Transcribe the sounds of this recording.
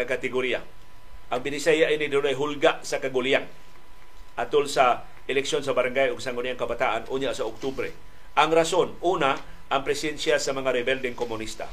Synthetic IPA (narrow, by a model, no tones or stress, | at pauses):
akat̪ɛɡoɾia̰ | ʔaŋbinisajaʔinidunajɦulɡaʔsakaɡuliaŋ | ʔat̪ulsa | ɛlɛksionsabaɾaŋɡajʊŋsaŋuliaŋkabat̪aʔanuɲaʔsaok̚t̪ubɾɛ̰ | ʔaŋɾasonuna | ʔːŋpɾɛsɛnsjasamaŋaɾɛbɛldɪŋkomunist̪a̰